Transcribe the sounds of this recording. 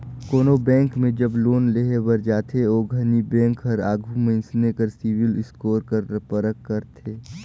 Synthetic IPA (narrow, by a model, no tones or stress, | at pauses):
koːnobɛ̃ːŋkmẽd͡ʒɐbloːnleɦebəɾd͡ʒaːt̪ʰeoːɡʱɐnibɛ̃ːŋkɦɐɾaːɡʱumɐɪnsnekəɾsiːwɪlɪskoːɾkəɾpəɾəkːəɾt̪ʰeː